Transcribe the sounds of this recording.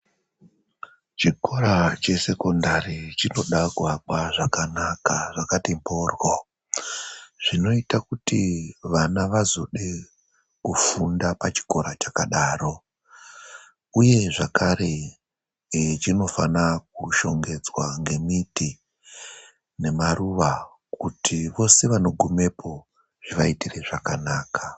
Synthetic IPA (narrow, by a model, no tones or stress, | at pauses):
t͡ʃiko̞ɾat͡ʃe̞se̞ko̞ndaɾit͡ʃino̞ɗaɡwakwaʐakanakaʐakatimbo̞rwo | ʐ̥ino̞itakutiʋanaʋazo̞ɗe | kufundapat͡ʃi̥ko̞ɾat͡ʃakaɗaːro̞ | uje̞ʐakʰaɾe̞ | t͡ʃino̞fanak̚uʃo̞ŋɡe̞d͡zwaŋɡe̞miti | ne̞maruʋa | kutʰiʋo̞se̞ʋano̞ɡʱume̞pʰo̞ | ʐ̥iʋaitireʐakanaːka